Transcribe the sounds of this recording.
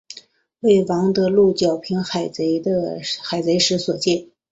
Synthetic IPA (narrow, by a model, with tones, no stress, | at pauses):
we˥˩ɪwɑ˧˥ŋd̪ɤ˧lu˥˩t͡ɕjɑ˨˩ʊpʰi˧˥nxa˨˩ɪt͡se˧˥ɪd̪ə˧xa˨˩ɪt͡se˧˥ɪʂɻ̩˧˥swɔ˨˩t͡ɕjɛ˥˩n